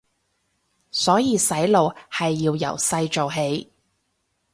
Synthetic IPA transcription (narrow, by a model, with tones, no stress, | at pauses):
sɔː˨˥jiː˧sɐ˨˥jlo˨whɐ˨jːiː˧wjɐ̰˨˩wsɐ˧jt͡ʃo˨wɦe˨˥j